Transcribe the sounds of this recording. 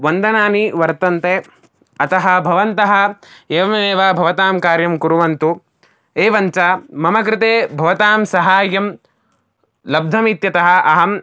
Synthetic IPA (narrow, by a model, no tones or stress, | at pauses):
ʋɐnd̪ɐnaːniʋɐɾt̪ɐnt̪eː | ɐt̪ɐɦɐ̆bʱɐʋɐnt̪ɐɦɐ̆eːʋɐmɐeːʋaːbʱɐʋɐt̪aːmkaːɾjɐmkuɾuʋɐnt̪u | eːʋɐɲt͡ʃaːmɐmɐk̬ɾɪt̪eːbʱɐʋɐt̪aːmsɐɦaːjɐm | lɐb̚d̪ʱɐmit̪jɐt̪ɐɦɐ̆ɐɦɐm